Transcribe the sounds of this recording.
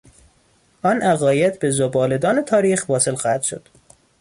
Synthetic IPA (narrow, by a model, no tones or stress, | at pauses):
ʔɒnʔæɣɒːjed̪be̞zobɒːled̪ɒːne̞t̪ʰɒːɾiːxvɒːse̞lxɒːhæd̪̥ʃod̪̥